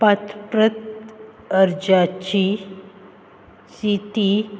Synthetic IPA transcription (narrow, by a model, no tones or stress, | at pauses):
pat̪pɾət̪ | əɾd͡ʑat͡ɕi | sit̪i